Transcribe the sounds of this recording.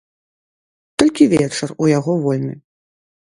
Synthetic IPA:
t̪ɔlʲkʲivʲɛt͡ʂɐrujaɣɔvɔlʲmʲḭ

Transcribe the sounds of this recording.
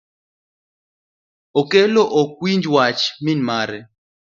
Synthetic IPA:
ɔkɛlɔʔɔk̚wind͡ʒwat͡ʃminmaːɾɛ

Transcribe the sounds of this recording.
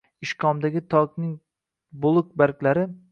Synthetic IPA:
ɪʃkʰɒmd̪aɡʲɪt̪ʰɒknɪŋ | bʊlˠʊk̚baɾkʲlaɾɪ

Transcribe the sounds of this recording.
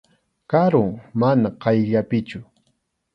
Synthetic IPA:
kaɾʊŋmanaqɑjʎapɪt͡ʃʊ

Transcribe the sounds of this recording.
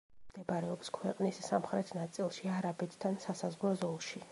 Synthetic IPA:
md̪ɛbaɾɛɔpskʰwɛqʼnissamχɾɛt̪ʰnat̪sʼilˠʃiaɾabɛt̪ʰd̪ʰansasazʁlˠɔzɔlˠʃi

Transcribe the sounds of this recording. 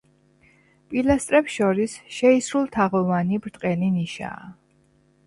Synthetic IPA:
pʼilast̪ʼɾɛpsʃɔɾisʃɛisɾulˠt̪ʰaʁɔvanibɾt̪ʼqʼɛliniʃa̰ː

